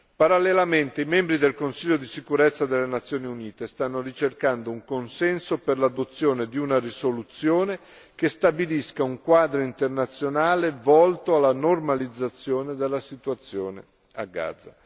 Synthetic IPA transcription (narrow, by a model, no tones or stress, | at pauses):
paɾalːelament̪eimɛmbɾid̪elkonsiʎːod̪isikuɾet̪sːad̪elːenat̪sːjoːniuniːt̪est̪anːorit͡ʃerkand̪ouŋkonsɛnsoperlad̪ot̪sːjoːned̪iunarisolut̪sjoːne | kest̪abiliskauŋkwaːd̪ɾoint̪ernat̪sːjonaːlevɔlt̪oalːanormalid̪zːat̪sːjoːned̪elːasit̪uat̪sːjoːnḛ | a̰ɡːa̰ːd̪zːa̰